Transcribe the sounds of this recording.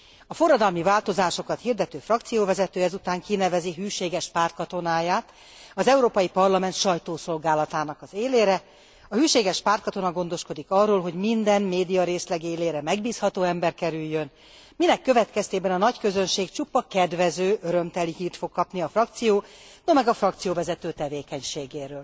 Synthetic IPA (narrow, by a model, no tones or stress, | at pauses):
ɒfo̞rːɒd̪ɒlmivaːlt̪o̞zaːʃo̞kɒt̪hird̪ɛt̪øːfrɒkt̪sijoːvɛzɛt̪øːɛzut̪aːŋkinɛvɛziɦyːʃeːɡɛʃpaːrt̪̚kɒt̪o̞naːjaːt̪ | ɒzɛuɾoːpɒjipɒrlɒmɛnt̪ʃɒjt̪oːso̞lɡaːlɒt̪aːnɒkɒzeːleːɾɛ | ɒhyːʃeːɡɛʃpaːrt̪kɒt̪o̞nɒɡo̞n̪d̪o̞ʃko̞d̪ikɒrːoːlɦo̞ɟmind̪ɛnmeːd̪ijɒɾeːslɛɡeːleːɾɛmɛɡbiːshɒt̪oːɛmbɛrkɛɾyjːøn | minɛkːø̞vɛt̪kɛst̪eːbɛnɒnɒckø̞zønʃeːkt͡ʃupːɒkɛd̪vɛzøːʔøɾø̞mt̪ɛlihiːrt̪fo̞kːɒpniɒfrɒk̚t̪sijoː | nomɛɡɒfrɒkt̪sijoːvɛzɛt̪øːt̪ɛveːkɛɲʃeːɡeːɾøːl